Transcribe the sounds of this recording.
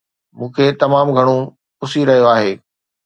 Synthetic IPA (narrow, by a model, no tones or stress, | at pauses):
mũːkʰet̪ɐmaːmɡʱɐɽ̃o | pʊsiɾɐɦijoaːɦeː